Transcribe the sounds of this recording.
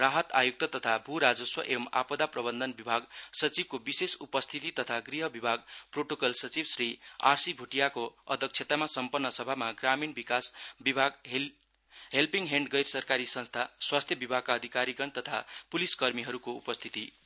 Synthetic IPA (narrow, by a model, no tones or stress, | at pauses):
raɦʌt̪ajuk̚t̪ʌt̪ʌt̪ʰabʱuɾad͡zʌswʌʔema̰pʌd̪aprʌbʌnd̪ʱʌnbibʱaɡsʌt͡sib̚kobisesupʌst̪ʰit̪it̪ʌt̪ʰaɡriɦʌbibʱaɡproʈokʌlsʌt͡sibsria̰rsibʱuʈijakoʌ̰d̪ʱʌk̚t͡sʰet̪amasʌmpʌnːʌsʌbʱamaɡraminbikasbibʱaɡ | ɦelpiŋɡɦeɳɖɡʌjrsʌrkaɾisʌ̃nst̪ʰaswast̪ʰjʌbibʱaɡ̚kaʌd̪ʱikaɾiɡʌnt̪ʌt̪ʰa̰puliskʌrmiɦʌɾukoupʌst̪ʰit̪i